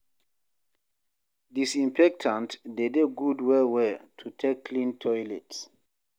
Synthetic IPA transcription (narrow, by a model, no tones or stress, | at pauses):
disĩmpɛk̚tʰãntdedeɡudwɛwɛtʰutʰekːʰlĩntʰɔjlɛts